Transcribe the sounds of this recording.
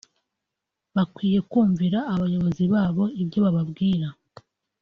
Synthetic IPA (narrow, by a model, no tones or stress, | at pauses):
βakwiːje̞kuːɱviɾaːβajo̞βo̞ziβaːβo̞ibɟo̞βaβabɡiːɾa